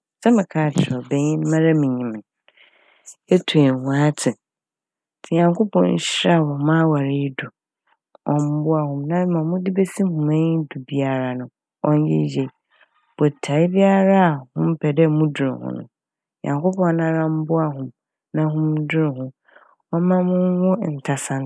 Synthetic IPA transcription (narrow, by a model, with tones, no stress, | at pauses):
sɛ˦mɪ̃˨kʰaː˨t͡ɕʰɪ˨ɾɔ˨bɛ˦ɲɪ̃˦n˦mã˦ɾa˦mĩ˨ɲĩ˨m˨n | e˦tʰu˨ɛ˨hã˨˦tʰɪ˨ | tʰɪ˨ɲã˨ŋkʰo˦pʰɔ̃˦n̩̰˦ɕɾa˦˨wɔ̃˨˦mã˦wa˨ɾɪ˦dʊ˨ | ɔ̃˦m̩˦bʊ˦a˨hʊ̃˨mnã˦mã˨mʊ̃˦dɪ˦be˦si˦hʊ̃˨mã˦ɲi˦du˨bi˦a˨ɾa˨nʊ̃˨ | ɔ̃˦ɲ˦jɛ̰˦je˨ | b̥ɔ˨tʰa˨ɪ˦bi˦a˦ɾa˦a˨hʊ̃˦m̩˦pʰɛ˨dɛ˦mũ˦dʊ˨ɾɪ̰˨hʊ̰̃˦nʊ̰̃˨ | jã̰˨ŋkʰo˦pʰɔ̃˨˦nã˦ɾã˦m̩˦bʊ˦a˨ɦʊ̃˨m | nã˦ɦʊ̃˦m˦dʊ˦ɾɪ˨hʊ̃˨ | ɔ˦mã˦mʊ̃˦wʊ˦˨n̩˨tʰa˨sã˦˨n˦